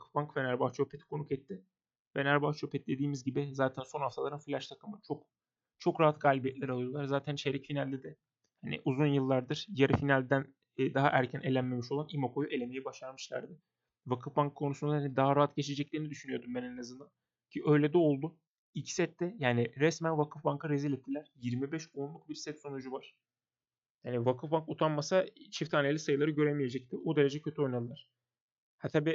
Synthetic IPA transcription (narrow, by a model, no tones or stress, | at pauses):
vakʰɯ̥fbaŋkvɛnæɾbaht͡ʃʰo̞pʰet̪ʰi̥kʰo̞nukɛt̪ʰːɪ | vɛnæɾbaht͡ʃʰopʰɛt̪ʰd̪e̞d̪iːmizɟibɪzaːt̪ʰænso̞nhaft̪ʰalˠaɾɯnfilʲaʃt̪ʰakʰɯmɯt͡ʃʰok̚ | t͡ʃʰo̞kɾaɦat̪ɡaːlʲibijɛt̪lʲæɾalˠɯjo̞lˠaɾzaːt̪ʰænʃeɾicfinalʲd̪ɛd̪ɛ | hanɪ̰ʔuzunjɯlˠːaɾd̪ɯɾ̥jaɾifinalʲd̪ænː | d̪aɦaʔæɾcʰænʔe̞lʲænme̞miʃo̞lˠanimoko̞jue̞lʲemejɛbaʃaɾmɯʃlˠa̰ɾd̪ɪ | vakʰɯfbaŋkʰːo̞nusund̪ahanid̪aɦaɾaɦat̪ɟe̞t͡ʃʰe̞d͡ʒɛclʲiːɾinid̪yʃynyjo̞ɾd̪umbæneɛnazɯnd̪an | cʰiʔø̞jlʲɛd̪ɛo̞lˠd̪u | ilʲcʰi̥sɛt̪ːɛjaːniɾɛsmænvakʰɯfbaŋkʰɯɾezilʲɛt̪ʰːilʲæɾ̥jiɾmibɛʃonlˠuk̚biɾsɛt̪so̞nud͡ʒuvaɾ̥ | jaːnivakʰɯfbaŋkut̪ʰanmasat͡ʃʰift̪ʰaːnelʲisajɯlˠaɾɯɟø̞ɾemije̞d͡ʒɛc̚t̪ʰɪud̪e̞ɾe̞d͡ʒɛcʰøt̪yo̞jnad̪ˠɯlˠaɾ̥ | hat̪ʰabiː